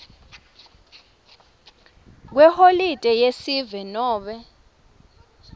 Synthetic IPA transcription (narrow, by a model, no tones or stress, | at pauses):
k̬wɛholitʼɛjesivɛnɔːɓɛ